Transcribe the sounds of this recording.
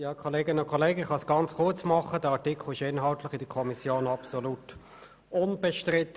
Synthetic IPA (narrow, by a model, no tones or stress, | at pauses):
jɑːkʰɔleːɡɪnənʊnkʰɔleːɡəɪχɑsɡ̥ɑnt͡sχʊɐt͡smɑχədəɑtikʰl̩ɪʃɪnɦɑltləχidəkʰɔmisjoːnɑpsolut | ʊnb̥ɛʃtʁɪtːə